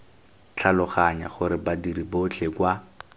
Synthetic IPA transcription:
t͡ɬʰalʊχaɲa̰χʊɾɪbadiribʊt͡ɬʰekwa

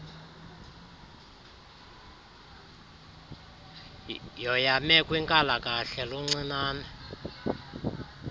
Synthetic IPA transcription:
jɔjamɛkʼwiŋkʼalakʼaɬɛluŋ͡ǀinaːna

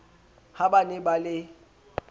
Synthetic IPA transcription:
habanɪbalɪ

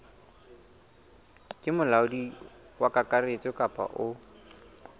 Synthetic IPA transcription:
kʼɪmʊlaʊdi | wakʼakʼaret͡sʼɔkʼapʼa̰ʔʊ

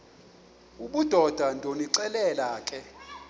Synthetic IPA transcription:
uɓud̥ʱɔd̥ʱandʱoniǀɛlɛlaːkʰʼɛ

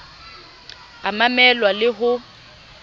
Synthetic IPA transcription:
amamɛlwalɪɦʊ

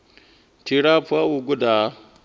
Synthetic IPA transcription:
tʰiɺapuawuɡuda

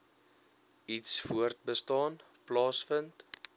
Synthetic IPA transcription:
itsfuərt̚bəstɑːn | plɑːsfənt

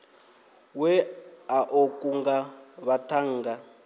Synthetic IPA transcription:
wɛaʔokʼuŋɡaβatʰaŋ̩ːɡa

